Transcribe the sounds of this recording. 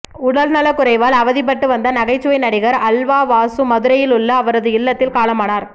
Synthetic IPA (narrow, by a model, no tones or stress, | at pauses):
ʊɽɐlnɐlɐkːʊɾɐɪʋaːlɐʋɐðɪp̬ːɐʈːɯʋɐnd̪ɐnɐɣɐɪt͡ʃːɯʋɐɪnɐɽɪɣɐɾɐlʋaːʋaːsɯmɐðɯɾɐjɪlʊɭːɐːʋɐɾɐðɯɪlːɐt̪ːɪlkaːlɐmaːnaːɾ